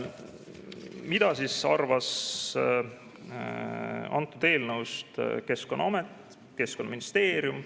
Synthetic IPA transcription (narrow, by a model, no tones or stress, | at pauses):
mid̪̥ɑsisɑrvɑs | ɑ̰nt̪ːˑud̪̥e̞ːlnəwst̪ke̞skonːɑɑmet̪ːˑ | ke̞sko̞nːɑminist̪e̞ːɾjum